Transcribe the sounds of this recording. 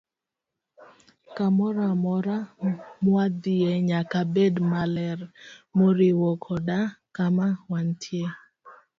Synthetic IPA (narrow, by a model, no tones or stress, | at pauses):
kamɔɾamɔɾamwad̪ieɲakabedmalɛrmoɾiwɔkʰɔdakamawantʰje